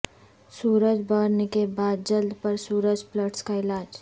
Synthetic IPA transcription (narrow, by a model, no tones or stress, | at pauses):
suːɾəd͡ʒbəɾnekebaːd̪̚d͡ʒəld̪pɐɾsuːɾəd͡ʒpləʈskaɪlaːd͡ʒ